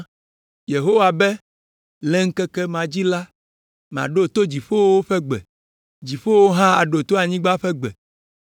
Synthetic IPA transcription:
je˨ɦo˦wa˨bɛ˦ | lɛ˦ŋ̩˦kɛ˦kɛ˦mã˨d͡ʑi˦la˦ | m̃˨a̰˨ɖo˦t̪o˦d͡ʑi˨ɸo˦wo˦wo˦ɸɛ˦ɡ͡bɛ̰˨ | d͡ʑi˨ɸo˦wo˦ɦã˦a̰˨ɖo˨t̪o˦a˨ɲĩ˦ɡ͡ba˦ɸɛ˦ɡ͡bɛ̰˨

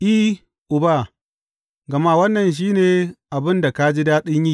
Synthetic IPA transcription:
ʔi˦ | ʔʊ˨ba˦˨ | ɡɐ˨ma˦wɐ˦nːɐ˨nʃ̬iː˦neː˨ʔa˨bɪ˦nda˨ka˦d͡ʒi˦daː˦ɗɪ˦ɲjiː˦

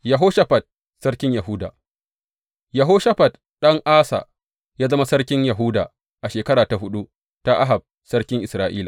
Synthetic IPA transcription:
jɐ˨ɦoː˦ʃɐ˦ɸɐ˨t̚ | sɐ˦ɽkʲɪ˦ɲjɐ˨ɦuː˦da̰ː˨ | jɐ˨ɦoː˦ʃɐ˦ɸɐ˨t | ɗɐ˦ŋʔaː˦sa̰˨ | jaː˦zɐ˦ma˦sɐ˦ɽkʲɪ˦ɲjɐ˨ɦuː˦da̰ː˨ | ʔa˨ʃeː˨kɐ˦ɽaː˨ta˨ɦʊ˦ɗu˦ | ta˦ʔa̰˦ɦa˨b̚ | sɐ˦rkʲɪ˦ŋʔɪ˨sɾaː˦ʔḭː˦laː˨

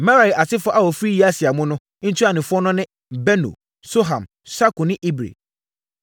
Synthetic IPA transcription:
mã˦ɾa˨i˨ʔa˨sʰɪ˦fɔ˦ʔa˨wɔ˨fɾi˦ji˦a˦sɪ˨a˨mʊ̃˦nʊ̃˦n̩˦tʰu˦a˨nɪ̃˨fʊ˦ɔ˦nʊ̃˦nɪ̃˦ | bɛ˦nṵ˨ | so˦ɦã̰˨m | sa˦kʊ˨nɪ̃˦ʔi˦bɾḛ˨

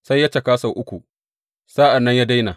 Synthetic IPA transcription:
sa˦jːɐ˦t͡ʃɐ˨kaː˦sa˨ʔʊ˦kʷu˨ | sa˦ʔa˨nːɐ˦ɲjaː˦da˦jna˨

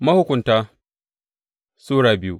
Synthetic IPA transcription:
mɐ˦hʊ˦kʷʊ˨ntaː˦ | suː˦ɽaː˨bɪ˦ju˦

